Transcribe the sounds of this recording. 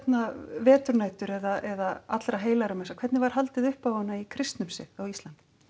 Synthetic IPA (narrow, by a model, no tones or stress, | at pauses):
ɛt̪navɛːt̪ʏɾnaːjt̪ʏɾɛðaʔɛðaa̰t̪ɾaɦeːjlaɾamɛnsakʰvɛɾt̪nɪvaɾ̥ɦalt̪ɪðʏhpawhɔnːaikʰɾɪst̪nʏmsɪ̰ðawist̪ant̪